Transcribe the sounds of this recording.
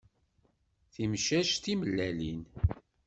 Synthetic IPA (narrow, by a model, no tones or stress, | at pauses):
θimʃæʃt̪iməlːælin